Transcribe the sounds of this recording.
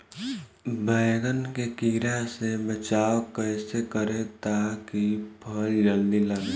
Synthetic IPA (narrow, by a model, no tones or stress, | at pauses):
bəɪɡənkekiːɾasebət͡ʃaːwkəɪsekəɾet̪akipʰəld͡ʒəld̪iləɡ